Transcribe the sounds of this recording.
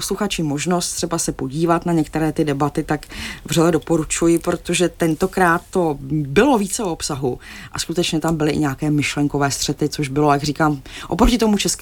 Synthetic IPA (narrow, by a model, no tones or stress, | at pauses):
osluxat͡ʃɪmo̞ʒno̞st̪r̥ɛbasɛpo̞ɟiːvat̪naɲɛkt̪ɛɾɛːt̪ɪdɛbat̪ɪt̪akvrɛlɛdo̞po̞ɾut͡ʃujɪpɾo̞t̪o̞ʒɛt̪ɛnt̪o̞kɾaːt̪ːo̞bɪlo̞viːt͡sɛoopsaɦuʔaskut̪ɛt͡ʃɲɛt̪ambɪlɪʔɪ̰ɲɛaːkɛːmɪʃlɛŋko̞vɛːst̪r̝̥ɛt̪ɪt͡so̞ʒbɪlo̞jaɡriːkaːmʔopɾo̞cɪt̪o̞mut͡ʃɛsk